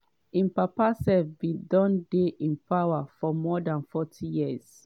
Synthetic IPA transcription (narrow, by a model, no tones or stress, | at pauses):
ĩnpapasɛfbidɔ̃ndeʔĩnpawafɔmɔdãnfɔtʰijiəz̥